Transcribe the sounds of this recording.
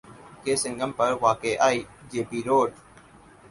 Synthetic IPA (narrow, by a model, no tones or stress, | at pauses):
keːsɪ̃ŋɡəmpəɾʋaːkeːʔaːiːd͡ʒeːpiːɾoːɖ